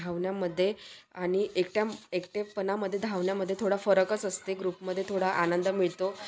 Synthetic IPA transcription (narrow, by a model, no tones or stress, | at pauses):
aʋɳjaməd̪ʱːjeaɽ̃iʔekʈjaekʈepənaməd̪ʱːjed̪ʱaʋɳjaməd̪ʱːjet̪ʰoɽafəɾəkət͡səst̪eɡɾupməd̪ʱːjet̪ʰoɽaʔanənd̪əmiɭt̪o